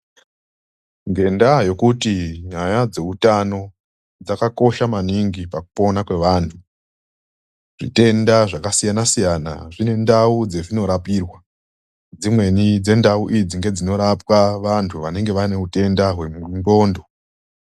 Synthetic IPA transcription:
ŋɡe̞ndajo̞kutiɲajad͡ze̞utano̞ | d͡zakako̞ʃamaniŋɡipaku̥po̞nakwe̞ʋaːntʰu | ʐ̥ḭte̞ndaʐakasijanasijana̰ʐine̞ndaud͡ze̞d͡zino̞ɾapiːrwa | d͡zimwe̞nid͡ze̞ndauʔid͡ziŋɡe̞d͡zino̞ɾapwaʋantʰuʋane̞ŋɡe̞ʋane̞ute̞ndaɦwe̞muŋɡo̞ːndo̞

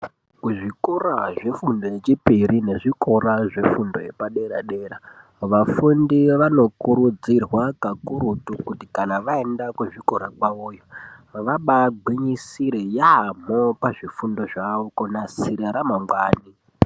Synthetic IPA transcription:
kuʐikuraʐefundojet͡ʃipiɾine̞ʐikoɾaʐe̞fundo̰jepaɗe̞ɾa̰ɗeːɾa | ʋafundiʋano̞kuɾud͡zirwakakuɾutukutikanaʋaendakuʐikoɾakwauːjoʋaɓaɡʱwiɲisiɾejaːmopaʐifundo̞ʐaʋokonasiɾeɾamaŋɡwaːni

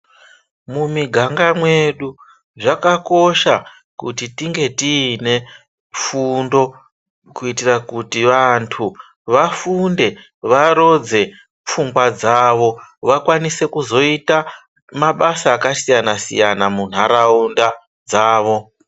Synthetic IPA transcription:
mumiɡʱaŋɡamwe̞ɗu | ʐakako̞ʃa | kutitiŋɡe̞tiːne̞ | fundo̞ | kuitirakutiʋantʰu | ʋafunde̞ | ʋaɾo̞d͡ze̞ | p͡fuŋɡwad͡zaːʋo̞ʋakwanise̞kuzo̞ita | maɓasaːkasijanasḭjanamun̤aɾaunda | d͡zaːʋo̞

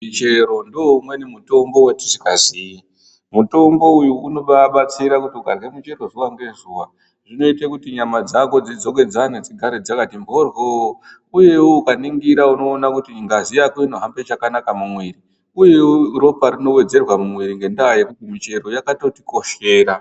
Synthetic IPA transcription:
it͡ʃeɾo̞ndomwenimuto̞mbo̞wetiʐikazii | muto̞mbo̞ujuːno̞ɓaɓat͡siɾakutiukarɣemut͡ʃe̞roʐuwaŋɡe̞zuwa | ʐino̞itekutiɲamad͡zako̞d͡zid͡zo̞k̬e̞d͡zaned͡ziɡʱaɾed͡zakatimbʱorɦo | uje̞woukaniŋɡiɾauno̞ːnakutiŋɡazijakoino̞ɦambe̞t͡ʃakanakamumwiri | uje̞wro̞paɾino̞we̞d͡ze̞rwamumwiɾiŋɡe̞ndajekuumit͡ʃe̞ro̞jakato̞tiko̞ʃe̞ːɾa

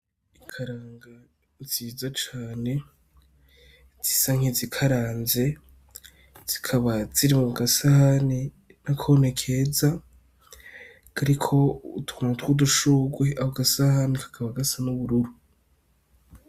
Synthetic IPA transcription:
ikʰaɾaːŋɡa | ziːzat͡ʃaːne̞ | z̥isaŋizikʰaɾaːnze̞ | z̥i̥kʰaβaz̥iɾimuɡasahani | nakʰonekʰeza | kaɾikʰo̞utu̥umatwuduʃuɡweahoɡasahanikḁkʰaβaɡasanuβuɾuɾu

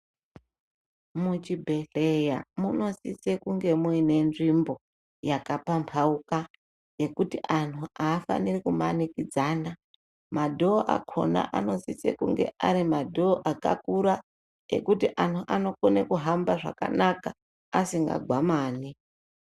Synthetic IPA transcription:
mut͡ʃibʱe̞ɬejamuno̞sisekuŋɡe̞muine̞nʐimbo̞ | jakapampʰauka | je̞kutiʔantʰuaːfa̰nirikumanikid͡zaːna | madʱo̞ːʔa̰kʰo̞̰na̰ʔano̞sisḛkṵŋɡe̞̰ʔaɾimadʱo̞ːʔaka̰kuɾa | ḛkutiʔantʰuʔano̞konekuɦambaʐa̰ka̰nakaː | siŋɡa̰ɡʱwamaːni

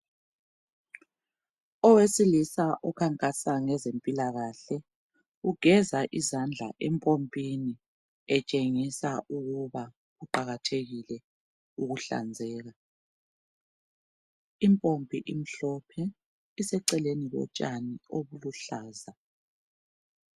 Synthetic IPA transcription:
ɔwesilisaʔɔkʰaŋkʼasaŋɛzempʼilaɣaɬɛ | uɡ̥ʱɛzaʔizand͡ɮʱa̰ʔɛmpʼompʼini | ɛt͡ʃʼeŋisauɣuβa | ɣuǃaɣatʰeɣilɛ | uɣuɬa̰nd͡zʱɛːɣa | impʼombʱiʔim̩ɬɔpʰɛ | isɛǀɛlenilɔ̰t͡ʃʼanioβuluɬaːza

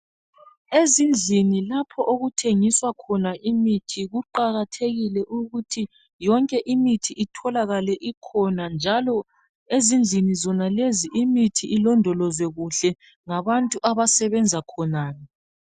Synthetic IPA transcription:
ezind͡ɮʱinilapʰɔʔoɣutʰeŋiswakʰɔnaʔimitʰiɣuǃaɣatʰeɣilɛʔuɣutʰi | jɔŋkʼɛʔimitʰiʔitʰɔlaɣalɛʔikʰɔnand͡ʒʱalɔ | ezind͡ɮʱinizɔnaleziʔimitʰiʔilɔndʱɔlɔzwɛɣuɬɛ | ŋaβantʼuʔaβasɛβɛnd͡zʱakʰɔnaːjɔ

